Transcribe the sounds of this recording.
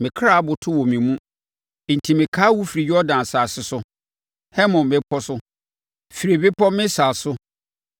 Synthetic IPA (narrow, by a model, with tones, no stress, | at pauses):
mɪ̃˨kʰɾa˦˨a˦bʊ˨tʰʊ˦wɔ˨mĩ˨mũ˦ | n̩˨tʰi˨mɪ̃˨kʰaː˦wu˦fi˨ɾi˨jɔ˦dã˨n˨saː˨sɪ˦sʊ˦ | hɛ˦mɔ̃˨mɪ̃˦pʰɔ˦sʊ˦ | fi˨ɾi˨bɪ˦pʰɔ˦mɪ̃˦saː˨sʊ˦